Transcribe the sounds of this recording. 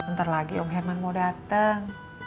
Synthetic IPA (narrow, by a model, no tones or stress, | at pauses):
ənt̪ərlaɡiɔmɦɛrmanmodat̪əŋ